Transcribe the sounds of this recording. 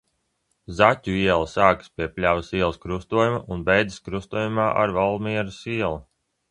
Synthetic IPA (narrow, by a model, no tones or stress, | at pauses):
zat̪ʲuiɛlˠasaːkspiɛpʲlʲavisiɛlˠskɾust̪uɔjumaʔunbɛjd̪ziskɾust̪uɔjumaːʔa̰ɾvalˠmiɛɾusiɛlˠa